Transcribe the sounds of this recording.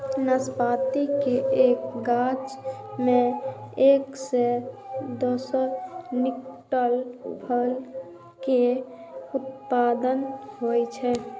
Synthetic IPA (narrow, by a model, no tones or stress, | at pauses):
nəspat̪ikeʔeːkɡad͡ʒmẽeːksed̪osənɪkʈəlbʱəl | ke | ut̪̚pad̪ənɦojt͡ʃʰɛ